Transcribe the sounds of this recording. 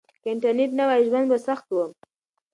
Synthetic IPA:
kɪɳʈaɾneʈ̬nawajʒwand̪basaxt̪wəm

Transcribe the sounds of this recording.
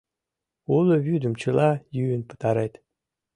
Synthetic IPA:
uləβyd̪ə̆mt͡ɕɯlˠɑjyːnpə̥t̪ɑɾet̪ʲ

